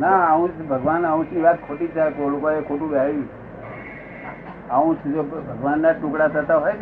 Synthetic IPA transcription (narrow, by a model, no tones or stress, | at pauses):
naəũt͡ʃbʱəɡʋanəũt͡ʃʰniʋat̪̚kʰoʈit͡ʃʰakolokoekʰoʈũbeajũt͡ʃ | əũt͡ʃd͡ʒobʱəɡʋanːaʈʊ̃kɽat̪ʰət̪aɦojt͡ʃʰ